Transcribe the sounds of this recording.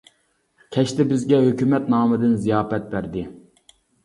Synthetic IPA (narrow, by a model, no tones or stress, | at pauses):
kʲʰɛʃt̪ɪbɪzɡʲɛɦøkʲymɛt̪nɑːmɨd̪ɨnzijɑːfɛt̪̚bæɾd̪ɪ